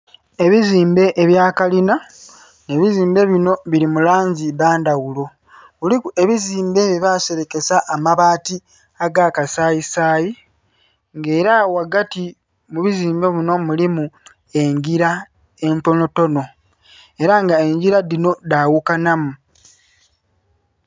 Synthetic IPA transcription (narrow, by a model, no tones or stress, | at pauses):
e̞βiziːmbe̞ʔeβjaːkalina | ne̞βiziːmbe̞βino̞βilimulaːɲɟiβaːndawulo̞ | ulie̞βiziːmbe̞βiβaːse̞ɾeke̞saʔːmaβaːti | aɡaːkasaːjisaːji | ŋɡe̞ːɾawaɡati | muβiziːmbe̞βino̞mulimu | e̞ɲɟiɾa | e̞nto̞no̞to̞no̞ | e̞ɾaŋɡae̞ɲɟiɾadino̞dawukanamu